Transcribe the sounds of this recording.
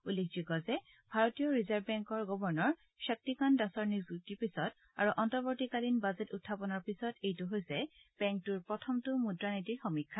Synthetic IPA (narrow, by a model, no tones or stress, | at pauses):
ulːekʰzikɔzɛ | bʱaɹɔtijɔɹizaɹbbɛŋkɔɹɡɔbɔɹnɔɹ | ʃak̚tikandasɔɹnizutipisɔt | aɹuʔɔntɔɹbɔɹtikalinbazetutʰːapɔnɔɹpisɔtejtuɦojsɛb̥ɛŋk̚tuɹpɹɔtʰɔmtʊmudɹanitiɹxɔmikʰːa